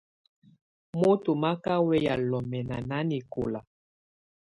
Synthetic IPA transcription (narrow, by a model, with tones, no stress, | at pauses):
mo˦to˨ma˦ka˦wɛ˦ja˨lɔ˨mɛ˨na˨na˦ni˨ko̰˨la˨